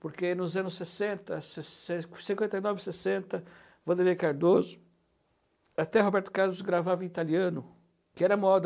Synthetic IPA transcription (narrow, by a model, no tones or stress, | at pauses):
poɾkenʊzɐ̃nʊsːesẽnt̪ɐseseksĩŋkwẽnt̪ejnɔvɪsesẽnt̪ɐ | vɐ̃d̪eɾiekaɾd̪ozʊ̥ | at̪ɛɦobɛɾt̪ʊ̥kaɾlʊzɡɾavaṽit̪aliɐ̃nʊ | kɪɛɾɐamɔd̪